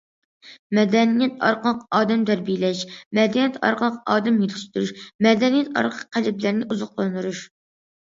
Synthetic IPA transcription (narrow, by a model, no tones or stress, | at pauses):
mɛd̪ɛnijɛt̪ʰɑ̰ɾqəlˠəqɑːd̪ɛmt̪ʰæɾbijilɛʃmɛd̪ɛnjɛt̪ʰɑ̰ɾqʰəlˠəqɑːd̪ɛmjet̪ʰɪ̥ʃt̪yɾuʃmɛd̪ɛnijɛt̪ɑ̰ɾqʰəqʰːælɛblæɾnɪʔuzʊqlˠɑnɨɾuʃ